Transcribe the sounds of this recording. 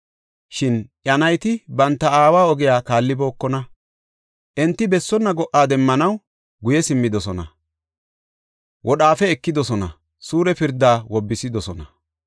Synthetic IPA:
ʃɪnʔjɐnɐjt̪ɪbɐnt̪ːɐaːwaːɔɡɪjaːkaːlːɪbo̞ːkːɔnɐ | ʔɛnt̪ːɪbɛsːɔnːɐɡɔʔaːd̪ɛmːɐnɐw | ɡʊjɛsɪmːɪd̪ɔsɔnɐ̰ | wɔɗaːfɛːkːɪd̪ɔsɔnɐ | suːɾɛpɪɾd̪aːwɔbːɪsɪd̪ɔsɔnɐ

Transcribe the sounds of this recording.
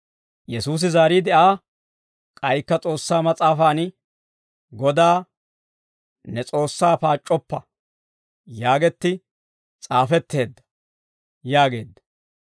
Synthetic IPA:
jɛsuːs̬ɪzaːɾiːd̪ɛʔaː | kʼɐjkːɐt͡sʼo̞ːsːaːmɐt͡sʼaːfaːn | ɡɔd̪aː | nɛt͡sʼo̞ːsːaːpaːt͡ʃʼːɔpːɐ | jaːɡɛt̪ːɪ | t͡sʼaːfɛt̪ːe̞ːd̪ːɐ̥ | jaːɡe̞ːd̪ːɐ̥

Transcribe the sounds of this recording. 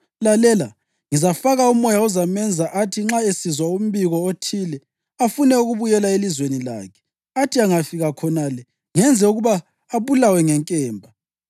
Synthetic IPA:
lalɛla | ŋizafaɣaumɔjauzamɛnd͡zʱaʔatʰiŋ͡ǁaesizwaum̩βiɣɔotʰiːlɛ | afunɛuɣuβujɛlaelizwenila̰ːkʰɛ̥ | atʰiaŋafiɣakʰɔnalɛ | ŋɛnd͡zʱɛuɣuβaː | βulawɛŋɛŋkʼɛːmbʱa

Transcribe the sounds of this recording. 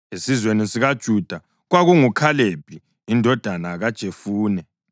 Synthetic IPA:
esizwenisiɣad̥ʒ̥ʱud̥ʱa | ɣwaɣuŋukʰaleb̥ʱiː | ndʱɔd̥ʱanaɣad̥ʒ̥ʱefuːnɛ

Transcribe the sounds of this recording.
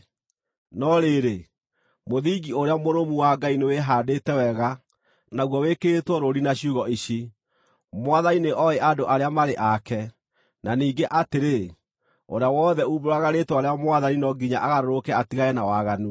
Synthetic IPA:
nɔɾeɾe | moðiɡioɾeamoɾomuwaɡaineweɦaːdetɛwɛɣa | naɣwɔweketwɔɾoɾinaɕiuɣɔiɕi | mwaðanineʔɔɛʔadoʔaɾeamaɾeʔakɛ | naniːɡeʔateɾe | o̰ɾeawɔːðɛuβoɾaɣaɾetwaɾeamwaðaninɔɡiɲaʔaɣaɾoɾokɛatiɣaɛnawaɣanu

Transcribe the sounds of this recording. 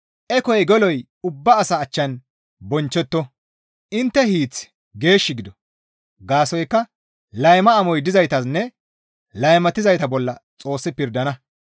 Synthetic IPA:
ʔɛkɔjɛɡɔlɔj | ʊbːɐːsɐːt͡ʃːɐn | bɔnt͡ʃːɛt̪ːɔ | ʔɪnt̪ːɛhiːt͡s | ɡe̞ːʃːɪɡɪd̪ɔ | ɡaːsɔjkːɐ | lɐjmɐːmɔjd̪ɪzɐjt̪ɐsnːɛ | lɐjmɐt̪ɪzɐjt̪ɐbɔlːɐt͡sʼo̞ːsːɪpɪɾd̪ɐnɐ

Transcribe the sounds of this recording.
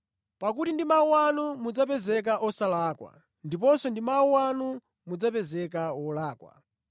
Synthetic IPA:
pak̬utindimauwanumud͡zapɛzɛk̬aʔɔsalaːkwa̰ | ndip̬ɔsɔndimauwanu | mud͡zapɛzɛk̬aɔlaːkwa̰

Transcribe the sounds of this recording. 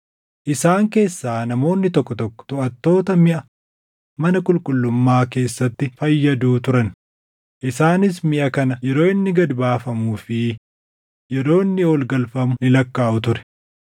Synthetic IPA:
ʔɪsaːŋke̞ːsːaːnɐmo̞ːnːɪt̪ɔkːɔt̪ɔkːɔ̥t̪ʊʔɐt̪ːo̞ːt̪ɐmɪʔɐ | mɐnɐkʼʊlkʼʊlːʊmːaːke̞ːsːɐt̪ːɪfɐjːɐd̪uːt̪ʊɾɐn | ʔɪsaːnɪs̬mɪʔɐkɐnɐjɛɾo̞ːɪnːɪɡɐd̪baːfɐmuːfɪ | jɛɾo̞ːɪnːɪɔlɡɐlfɐmʊnɪlɐkːaːʔʊt̪ʊɾɛ̥

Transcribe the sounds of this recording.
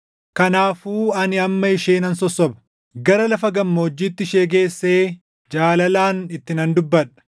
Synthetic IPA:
kɐnaːfuːɐnɪɐmːɐɪʃeːnɐnsɔsːɔbɐ̥ | ɡɐɾɐlɐfɐɡɐmːoːd͡ʒːiːt̪ːɪʃeːɡeːsːe̞ː | d͡ʒaːlɐlaːnɪt̪ːɪnɐnd̪ʊbːɐᶑɐ̥

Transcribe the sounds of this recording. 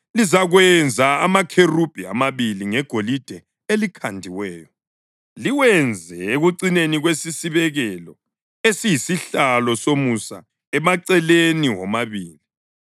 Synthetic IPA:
lizaɣwɛnd͡zʱaamakʰerub̥ʱia̰maβiliŋɛɡ̥ʱolid̥ʱɛ | elikʰandʱiwɛːjɔ | liwɛnd͡zʱɛeɣuǀineniɣwesisiβɛɣɛlɔ | esijisiɬalɔsomusa̰ | ɛmaǀɛleniwɔmaβiːli

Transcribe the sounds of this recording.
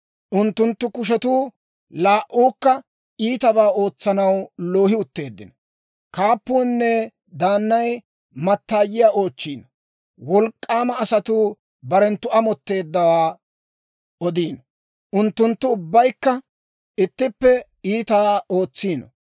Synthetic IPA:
ʔʊnt̪ːʊnt̪ːʊkʊʃ̬ɛt̪uː | laːʔuːkːɐ | iːt̪ɐbaːo̞ːt͡sːɐnɐwlo̞ːɦɪʊt̪ːe̞ːd̪ːɪnɔ | kaːpːuːnːɛ | d̪aːnːɐj | mɐt̪ːaːjɪjaːʔo̞ːt͡ʃːiːnɔ | wɔlkʼːaːmɐːsɐt̪uː | bɐɾɛnt̪ʊʔɐmɔt̪ːe̞ːd̪ːɐwaː | ɔd̪iːnɔ | ʔʊnt̪ːʊnt̪ːʊʊbːɐjkːɐ | ɪt̪ːɪpːɛ | iːt̪aːo̞ːt͡sːiːnɔ

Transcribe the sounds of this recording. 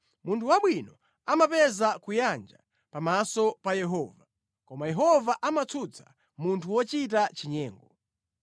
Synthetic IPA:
muntʰuwaɓwinɔ | amapɛzakujand͡ʒa̰ | pamasɔpajɛɦɔːva | kɔmajɛɦɔvaʔamat͡sʰut͡sʰḁ̰ | muntʰuwɔt͡ʃit̬at͡ʃiɲɛːŋɡɔ

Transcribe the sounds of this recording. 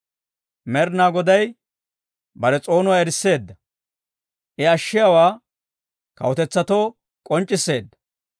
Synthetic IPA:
mɛɾnaːɡɔd̪ɐj | bɐɾɛt͡sʼo̞ːnʊwaɛɾɪsːe̞ːd̪ːɐ | ʔɪɐʃːɪjawaː | kɐ̰wɔt̪ɛt͡sːɐt̪oː | kʼɔnt͡ʃʼːɪsːe̞ːd̪ːɐ̥

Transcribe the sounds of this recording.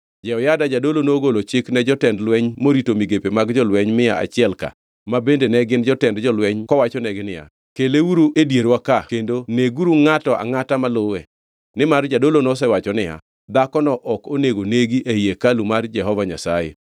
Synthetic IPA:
d͡ʒɛɔjadad͡ʒadolonoɡolot͡ʃɪknɛd͡ʒɔtɛndlwɛɲmoɾitomiɡepemaɡd͡ʒɔlwɛɲmɪaa̰t͡ʃɪɛlka̰ | mabendenɛɡɪnd͡ʒɔtɛndd͡ʒɔlwɛɲkɔwat͡ʃɔnɛɡɪnɪja̰ | kelewuɾuʔedjeɾwakakendoneɡuɾuŋatɔʔa̰ŋatamalʊwɛ | nɪmard͡ʒadolonos̬ɛwat͡ʃɔnɪja̰ | d̪akɔnɔʔɔkoneɡoneɡiʔeiekalumard͡ʒɛɦɔvaɲasajḛ

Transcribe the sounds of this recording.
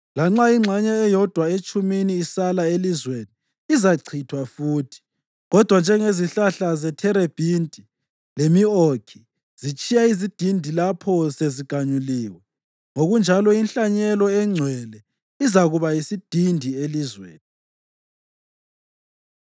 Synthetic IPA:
laŋ͡ǁaiŋ͡ǁʱaɲɛːjɔd̥ʱwaet͡ʃʼuminiːsalaelizweniː | zaǀʰitʰwafuːtʰi̥ | ɣɔd̥ʱwand͡ʒʱɛŋeziɬaɬazɛtʰɛɾeb̥ʱintʼi | lemiokʰi | z̥it͡ʃʼijaizid̥ʱindʱilapʰɔseziɡ̥ʱaɲuliːwɛ | ŋoɣund͡ʒʱalɔinɬaɲɛlɔɛŋ͡ǀʱwɛlɛ | izaɣuβaisid̥ʱindʱielizwḛːni

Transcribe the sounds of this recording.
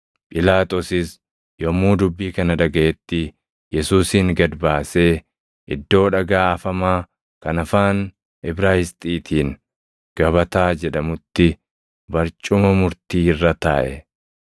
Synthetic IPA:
pʼɪlaːt̪ʼɔsɪs | jɔmuːd̪ʊbːiːkɐnɐᶑ̪ɐɡɐʔɛt̪ːɪ | jɛsuːsiːŋɡɐd̪baːse̞ː | ʔɪd̪ːo̞ːᶑɐɡaːɐfɐmaː | kɐnɐfaːn | ɪbɾaːhɪst̪ʼiːt̪ʰiːŋ | ɡ̥ɐbɐt̪aːd͡ʒɛᶑɐmʊt̪ːɪ | bɐɾt͡ʃʼʊmɐmʊɾt̪iːɪrːɐt̪a̰ːʔɛ̰

